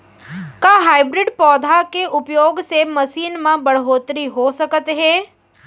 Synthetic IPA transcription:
kaːɦaːɪbɾɪɖpɔːd̪ʱakeʔʊpjoːɡsemɐsiːnmãbɐɽɦoːt̪ɾiɦosɐkət̪ɦɛː

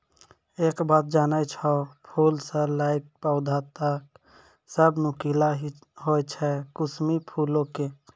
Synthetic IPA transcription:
ekbat̪̚d͡ʒaːnəjt͡ʃʰɔpʰulsə̃laɪk̚paʊd̪ʱat̪ək̚ | səbnukila | ɦojt͡ʃʰɛkusmipʰulõke

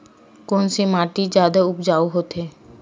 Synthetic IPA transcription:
kɔːnsemaːʈid͡ʒjaːd̪aʊpd͡ʒaːoɦoːt̪ɦeː

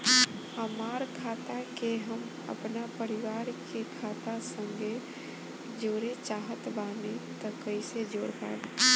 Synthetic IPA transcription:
həmaːɾkʰaːt̪akeɦəm | ə̰pnapəɾiʋaːɾkekʰaːt̪asə̃ŋɡʱe | d͡ʒoːɾet͡ʃaːɦət̪baːnet̪əkəɪsed͡ʒoːɾpa̰ːn

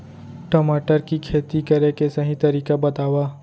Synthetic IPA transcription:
ʈɔːmaːʈəɾkikʰeːt̪ikɐɾekesɐɦĩt̪ɐɾiːkabɐt̪aːwaː

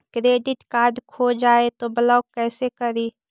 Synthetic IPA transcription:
kɾeːɖ̪ɪt̪kaːd̪kʰoːd͡ʒaːet̪obɐlaːwkɛːsekɐɾiː

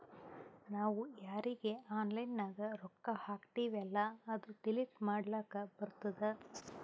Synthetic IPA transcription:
naːʋujaːɾiɡeaːnlɐjnːaːɡɐɾɔkːɐhaːkt̪iːʋɛlːɐːd̪uɖiliʈmaːɽlaːkɐbɐɾut̪ɐd̪e

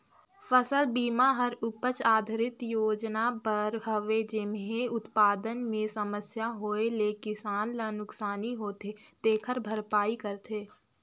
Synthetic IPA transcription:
fəsəlbiːmaɦəɾʊpət͡ʃaːd̪ʱɾɪt̪joːd͡ʒnabəɾɦəʋed͡ʒɪmɦẽʊt̪paːd̪ənmẽsəməsjaɦoːeleːkɪsaːnlənʊksaːniɦoːt̪et̪eːkʰəɾbʱəɾpaːikəɾt̪ʰeː

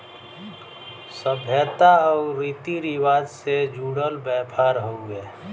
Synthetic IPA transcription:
səbʱɛːt̪aɔːɾiːt̪iɾiwaːd͡ʒsed͡ʒuːɽəlbɛːpʰaːɾɦoɡɛː

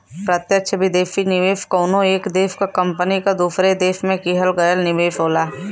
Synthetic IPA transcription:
pɾɐt̪jəkʃʰbʱid̪eːfinɪʋeːfkoːnõeːkd̪eːfkakɐ̃mpənikad̪uːsɾed̪eːfmẽkiɦəlɡɐjəlnɪʋeːfɦoːlaː

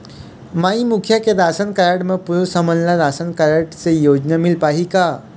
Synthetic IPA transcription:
maimukʰjaked̪asənkəɾaʈməɡ̚puɾusəmənlad̪asənkəɾəʈt͡sejod͡ʑnəmilpaɦika

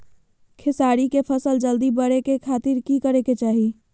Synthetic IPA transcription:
kʰesaɾikepʰəsəld͡ʒəld̪ibəɽekekʰat̪iɾkikəɾeket͡ʃaːɦi

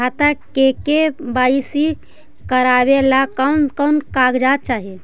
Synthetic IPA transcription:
at̪akekebaisi | kəɾabelakəwnkəwnkaɡd͡ʒat̪̚t͡ʃaɦi

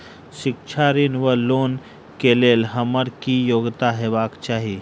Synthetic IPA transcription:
ʃɪkt͡ʃʰaɾinʋəloːn | keleːlɦəməɾkijoːɡt̪aɦeːʋaːkt͡ʃaːɦi

